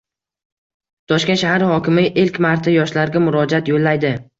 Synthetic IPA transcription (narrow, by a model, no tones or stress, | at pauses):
t̪ʰɒʃkʲeʃahaɾhɒkʲɪmɪʔelkʲmaɾt̪ʰajɒʃlaɾɡʲamʊɾɒd͡ʒat̪jolːajd̪ɪ